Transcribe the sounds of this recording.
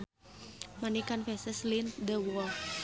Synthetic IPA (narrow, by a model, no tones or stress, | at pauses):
manikanfɛsəslind̪əwɔ